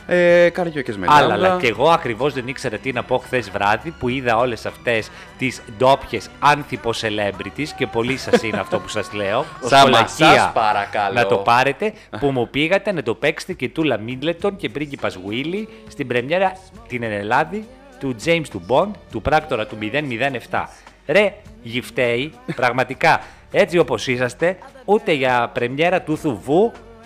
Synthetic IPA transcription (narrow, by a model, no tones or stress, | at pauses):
ekɐɾʝocezmḛɐlɐlɐeɣo̞ɐkɾivo̞zðe̞nikse̞ɾɐt̪inɐpo̞xθe̞zvɾɐðipuiðɐo̞le̞sɐft̪e̞s | t̪isd̪o̞pçe̞sɐnθipo̞se̞le̞mbɾit̪isce̞po̞lisɐssineɐft̪o̞pu̥sɐzle̞o̞osolɐciɐpɐɾɐkɐlnɐt̪o̞pɐɾe̞t̪e̞ | pumupiɣɐt̪e̞nɐt̪o̞pe̞kse̥t̪ece̞t̪ulɐmind̪let̪o̞nce̞pɾiɲɟipɐzɣwili | st̪ibɾe̞mɲe̞ɾɐt̪inenelɐði | t̪ud͡ʒe̞jmst̪ubo̞nd̪t̪upɾɐkt̪o̞ɾɐt̪umiðe̞nmiðe̞ne̞ft̪ɐ̰ | ɾe̞ʝift̪e̞ipɾɐɣmɐt̪ikɐ | e̞t͡sio̞po̞sisɐst̪e̞ut̪e̞ʝɐpɾe̞mɲe̞ɾɐt̪uθuvu